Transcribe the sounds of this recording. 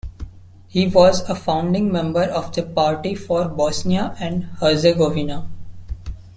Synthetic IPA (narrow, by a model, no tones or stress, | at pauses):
hiːʋɔːzəfãʊ̃ɳɖɪ̃ŋmɛ̃mbəɾɔːʋd̪əpaːɾʈifɔːɾbɔːsniaʔɛ̃ɳɖhəɾzeɡɔːʋina